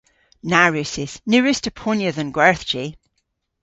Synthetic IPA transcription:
naɹʉsɪz̥nʉːɹɪstəpʰɔnjəðə̃nɡwɛɹθd͡ʒi

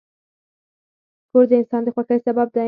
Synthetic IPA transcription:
poɾd̪əɪnsɑnd̪əxwakaɾsabab̚d̪a

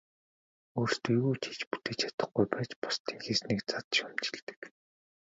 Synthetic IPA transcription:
oːrst̪iɣuːt͡ɕʰi̥t͡ɕpu̥t̪eːt͡ɕʰḁt̪ə̆χɡujpæːt͡ɕpɔ̥st̪ʰiːŋxesniːkt͡sat͡s̪̆ʃʊm̥t͡ɕɪ̥̆ɮt̪ɘ̥̆k

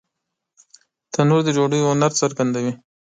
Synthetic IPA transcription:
t̪anuɾd̪əd͡ʒoɖəjoʊnaɾsaɾɡand̪awi

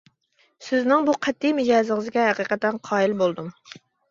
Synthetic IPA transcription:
sɪznɪŋbuqʰɛt̪ʰːijmɪd͡ʒɑːzɨŋɨzɡʲɛɦæqiːqæt̪ɛnqʰɑːilbolˠd̪um

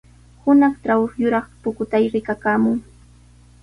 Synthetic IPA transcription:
hʊnɑχʈ͡ʂɾawxjʊɾɑχpʊkʊt̪ajɾɪkakaːmʊŋ

